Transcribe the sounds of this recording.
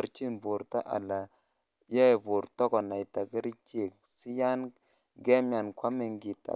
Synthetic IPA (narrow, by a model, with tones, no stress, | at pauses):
ɾt͡ʃi˦nbo˨ɾta˦ʔa̰˨la˨ | jɛ˦˨bo˨ɾtɔ˦kɔ˨na˨jta˨ɡɪ˦ɾi˦t͡ʃe˦˨k̚si˦ja˦n | ɡɛ˦mja˨nkwa˦me˨ŋɡi˨ta̰˨